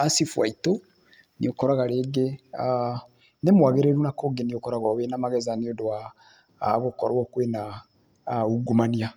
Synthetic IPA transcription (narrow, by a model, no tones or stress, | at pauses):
asifwa̰ito | niokɔɾaɣaɾeɡea | nemwaɣeɾeɾunakoɡeniokɔɾaɣɔβenamaɣɛzaniodoa | ɣokɔɾwɔkwena | uɡumania